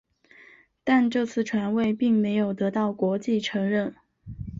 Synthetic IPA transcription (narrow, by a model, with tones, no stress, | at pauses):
t̪a˥˧nʈ͡ʂɤ˥˧t͡sʰɹ̩˥˩ʈ͡ʂʰwa˧˥nwe˥˧ɪpi˥˩ŋme˧˥ɪjo˨˩ʊt̪ɤ˧˥t̪ɑ˥˩ʊkwɔ˧˥t͡ɕi˥˩ʈ͡ʂʰɤ˧˥ŋɻə˥˩n